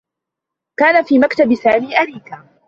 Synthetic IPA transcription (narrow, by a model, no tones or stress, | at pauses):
kaːnafiːmakt̪abɪsaːmiːʔaɾiːkaː